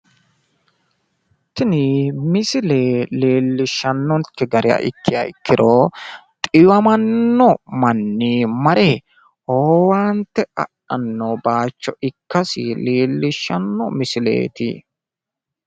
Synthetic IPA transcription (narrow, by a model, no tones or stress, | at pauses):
t̪ːɪnɪmɪsɪleːleːlːɪʃːɐnːɔnt̪ːɪɡɐɾɪja̰ʔɪ̰kːɪjɐ̰ɪkːɪɾoːt̪ʼɪjɐmɐnːɔmɐnːiːmɐɾeː | ʔoːwaːnt̪ːɛɐ̰ɗɐnːobaːt͡ʃːɔɪkːɐsɪ̰leːlːɪʃːɐnːɔ̰mɪsɪlḛːt̪ɪ̰